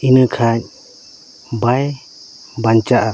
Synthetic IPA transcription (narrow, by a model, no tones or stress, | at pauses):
inɯkʰaɲ̚ | baj | baɲt͡ʃaʔa